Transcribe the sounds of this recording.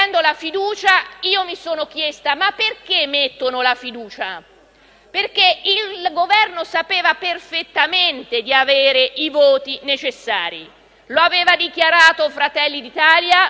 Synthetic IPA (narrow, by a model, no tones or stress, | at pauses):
ɛnd̪olafid̪uːt͡ʃaiːomisoːnok̟jest̪amapːerk̟emːet̪ːonolafid̪uːt͡ʃa | perk̟eilɡovɛrnosapeːvaperfet̪ːament̪ed̪iaveːɾeʔivoːt̪inet͡ʃesːaːɾḭ | loaveːvad̪ik̟jaɾaːt̪ofɾat̪ɛlːid̪it̪aːlja